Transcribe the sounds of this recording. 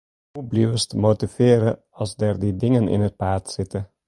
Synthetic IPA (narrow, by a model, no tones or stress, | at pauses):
hublywəstmotifɪːɾə | ɑlˠzdɛːrdidɪŋənɪ̰nɦət̚paːtsɪtə